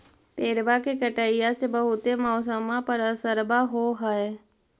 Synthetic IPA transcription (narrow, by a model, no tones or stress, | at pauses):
peːɾbakekəʈəːɪjasebəɦʊt̪emɔːs̬əmãpəɾəsəɾbaɦoɦəe